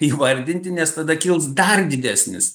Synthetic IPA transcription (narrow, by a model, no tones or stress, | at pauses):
iːʋɐɾʲd̪ʲɪnʲt̪ʲɪnʲɛst̪ɐd̪ɐkʲɪlˠsd̪ɐrd̪ʲɪd̪ʲæːsʲnʲɪ̰s